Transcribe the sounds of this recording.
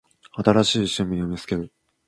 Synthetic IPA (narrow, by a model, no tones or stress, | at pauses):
at̪aɾaɕiːɕɨmʲijomʲisɨ̥ke̞ɾɯ̟